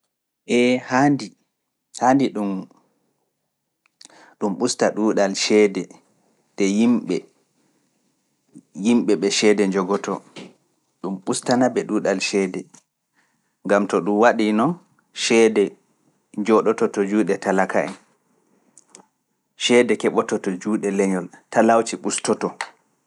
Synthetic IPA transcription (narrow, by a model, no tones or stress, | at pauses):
ʔɛhandi | handiɗum | ɗumɓustaɗuːɗalʃɛːdɛ | ɗɛjimɓɛ | jimɓɛɓɛʃɛdɛɲd͡ʒɔɡɔtʰɔ̰ | ɗumɓustanabɛɗuːɗalʃɛːdɛ | ŋɡamtɔɗumwaɗinɔn | ʃɛdɛ | d͡ʒɔɗɔtɔtɔd͡ʒuɗɛtalakaʔɛn | ʃɛdɛkɛɓɔtɔtɔd͡ʒuːɗɛlɛɲɔltalawt͡ʃiɓustɔtɔ